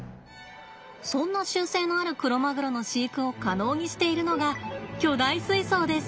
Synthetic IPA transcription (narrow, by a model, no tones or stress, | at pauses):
sõ̞nːaɕɨːse̞ːno̞aɾɯ̟kɯ̟ɾo̞maɡɯ̟ɾo̞no̞ɕiːkɯ̟o̞kano̞ːɲ̟iɕi̥t̪e̞iɾɯ̟no̞ɡakʲo̞ːd̪aisɨiso̞ːd̪e̞sɨ̥